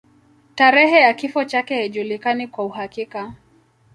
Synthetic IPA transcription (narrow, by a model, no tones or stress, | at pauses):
taɾɛɦɛjakifɔt͡ʃakɛhiʄulikanikwauɦakika